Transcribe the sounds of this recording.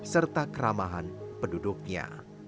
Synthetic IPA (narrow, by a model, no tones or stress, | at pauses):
sərt̪akəɾamaɦanpədudʊk̚ɲa̰